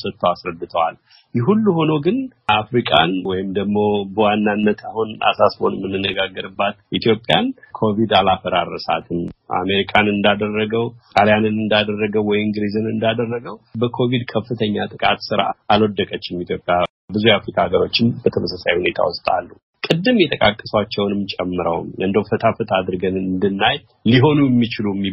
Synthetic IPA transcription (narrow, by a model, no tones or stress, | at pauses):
sət̪ʰːəwasɾəd̪ːɨt̪ʰəwal | jɛɦulːuho̞no̞ɡɨnʔafɾikʼanwɔjɪmd̪əɡmo̞bəwanːanːət̪ʰahuna̰sasbo̞̰nmːɨnːɨnːəɡaɡːəɾɨbːat̪ʔit̪ʰjo̞pʼːja̰nkʰo̞vid̪alafəɾaɾəsa̰t̪ʰɨma̰me̞ɾikʰʼanɨnd̪ad̪ərːəɡəwtʼaljanɨnɨnd̪ad̪ərːəɡəwwːɔjɪŋɡɾizɨnɨnd̪ad̪ərːəɡəwbəkʰo̞vid̪kʰəfːɨt̪ʰəɲːat̪ʼɨkʼat̪sɨɾa̰ʔalwɔd̪ːəkʼət͡ʃːɪmit̪ʰjo̞pʼːja | bɨzujafɾikʰʼaaɡəɾo̞t͡ʃːɪnbət̪ʰəməsasajhune̞t̪ʰa̰wʊst̪ʼa̰lːu | kʼɨd̪ːɨmjɛt̪ʰʼəkʼakʼːəswat͡ʃːɛwnɨmt͡ʃʼɛmːɨɾə̰wmɨnd̪ofət̪ʰafət̪ʰad̪ɨɾɡənɨnd̪ɨnːaj | liɦo̞nuɛmːit͡ʃɪlumːi